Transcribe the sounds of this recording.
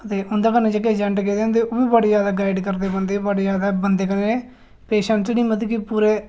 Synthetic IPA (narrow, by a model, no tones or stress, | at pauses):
ət̪eːʊ̃nd̪aːkəneːd͡ʒəkeːd͡ʒəɳʈkeːd̪ẽːnd̪eːʔoːbiːbəːɽed͡ʒjaːd̪aːɡaːɪɖkəɾd̪eːbənd̪eːbəɽeːzaːd̪aːbənd̪eːkəneː | peːʃəɳsniːmət̪ikipuːɾeː